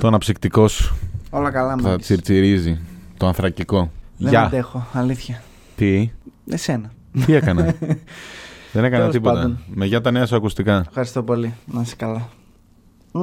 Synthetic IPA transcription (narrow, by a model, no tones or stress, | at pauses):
t̪oɐnɐpsikt̪iko̞su̥olɐkɐlɐmuθɐɐt͡siɾt͡siɾizit̪oɐnθɾɐciko̞ðeʝɐd̪exo̞ɐliθçɐ | t̪iesenɐ | t̪iekɐnɐ | ðene̞kɐnnɐltip̬oɐt̪ɐonmeʝɐt̪ɐneɐsuɐkust̪ikɐefxɐɾist̪o̞po̞linɐse̥kɐlɐ